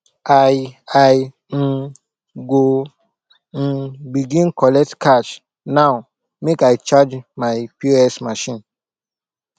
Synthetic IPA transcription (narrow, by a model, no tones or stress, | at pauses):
aaj | n̩ | ɡo | n̩biɡĩnkɔlɛk̚tkʰat͡ʃ | naʊ | mekaɪt͡ʃad͡ʒmaɪpiɹɛstmaʃĩn